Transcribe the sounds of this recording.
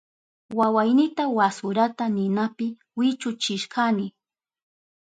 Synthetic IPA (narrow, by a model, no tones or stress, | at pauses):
wawajnɪt̪awasʊɾat̪anɪnapɪ | wɪt͡ʃʊt͡ʃɪʃkanɪ